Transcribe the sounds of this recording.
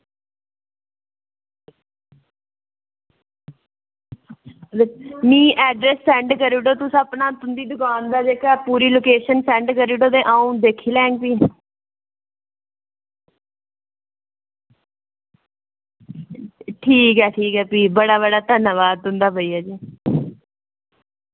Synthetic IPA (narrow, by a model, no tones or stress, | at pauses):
mĩːʔɛːɖɾɛːssɛ̃ːɳɖkəɾiːɖoːt̪ʊsəpnaːt̪ʊnd̪iːd̪ʊkaːnd̪aːd͡ʒeːkaːpuːɾiːloːkeːʃənsɛ̃ːɳɖkəɾiːɖoːd̪ẽːʔaːũd̪eːkʰiːlɛ̃ːŋɡpiː | ʈʰiːkɦɛːʈʰiːkɦɛːpiːbəɽaːβəɽaːt̪ənaʋaːd̪ʊ̃nd̪aːbəiːaːd͡ʒiː